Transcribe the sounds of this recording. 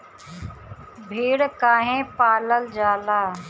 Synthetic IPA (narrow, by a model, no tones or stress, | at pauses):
bʱeːɽkaːɦẽːpaːləld͡ʒaːlaː